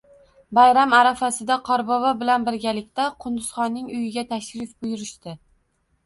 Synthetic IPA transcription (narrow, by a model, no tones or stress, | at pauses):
bajɾamaɾafasɪd̪aqʰɒɾbɒvabɪlanbɪɾɡʲalɪkʲt̪aqʰʊnd̪ʊz̥χɒnːɪŋʊjɪɡʲat̪ʰaʃɾɪfbʊjʊɾɪʃt̪ɪ